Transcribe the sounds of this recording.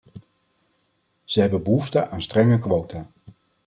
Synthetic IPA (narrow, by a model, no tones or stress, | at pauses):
z̥əɦɛbənbəɦuftəʔaːnstrɛŋəkʋowta